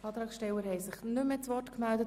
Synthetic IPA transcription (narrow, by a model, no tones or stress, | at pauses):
ɑːt̪ɾɑːksʃtɛwəɾhɛɪsɪχnʏmːɛt͡sʋɔrtkmældət